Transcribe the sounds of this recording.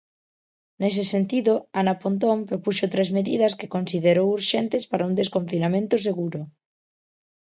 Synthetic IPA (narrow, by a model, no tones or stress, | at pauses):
nes̬esent̪iðʊanapont̪̬ompɾopuʃot̪ɾezmeðið̞ɐske̥konsiðeɾowuɾʃent̪espaɾaund̪eskõɱfinamẽnt̪ʊs̬eɣuɾʊ